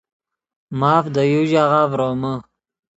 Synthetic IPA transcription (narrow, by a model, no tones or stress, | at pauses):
maːfd̪əjuʑaʁaːvɾomə